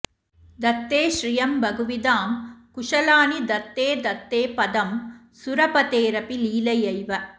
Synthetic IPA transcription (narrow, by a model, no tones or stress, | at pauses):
d̪ɐt̪ːeːʃɾijɐmbɐɡuʋid̪aːmkʊʂɐlaːnid̪ɐt̪ːeːd̪ɐt̪ːeːpɐd̪ɐm | suɾɐpɐt̪eːɾɐpiliːlɐjɐjʋɐ